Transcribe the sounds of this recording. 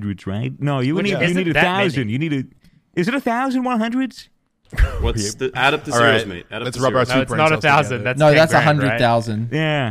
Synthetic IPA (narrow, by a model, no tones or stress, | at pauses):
ndɹɨdz̥ɹa̰ɪt̚noʊjɨniɨniɾɨθaʊzɨ̃njɨniɾɨ | ʔɨzɨɾɨθaʊzɨ̃nwʌ̃nɦʌ̃ndɹɨdz̥ | wʌtðɨæɾɨp̚ɹamḭæsɹʌbsʉɹnəɾɨθaʊzɨ̃nðætnnoʊðætssəɦʌ̃ndɹɨd̪̚θaʊzɨ̃njæ